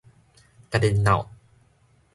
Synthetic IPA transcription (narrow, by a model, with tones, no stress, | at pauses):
ka˧de˧nːa̰˨˩w